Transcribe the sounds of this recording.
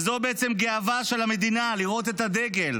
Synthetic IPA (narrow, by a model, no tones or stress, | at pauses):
zo̞beet͡semɡe̞avaʃe̞lame̞d̪inaliʁo̞t̪et̪ad̪e̞ɡel